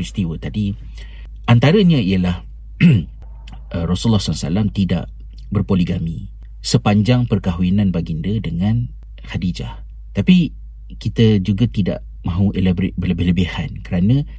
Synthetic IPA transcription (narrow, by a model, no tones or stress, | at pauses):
ist̪iwət̪adi | ʔant̪aɾəɲãijəlah | rosulːahsasa̰lamt̪ida̰ʔ | bərpoliɡami | səpaɲd͡ʒaŋpərkaɦuinanbaɡindədəŋãn | hadid͡ʒah | t̪api | kit̪əd͡ʒuɡat̪ida̰ʔ | mãɦũʔelbbələbɪɦləbihankəɾanə̃